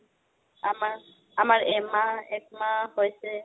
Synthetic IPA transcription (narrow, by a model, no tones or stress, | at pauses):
ama | amaɾɛmaɛkmahɔjse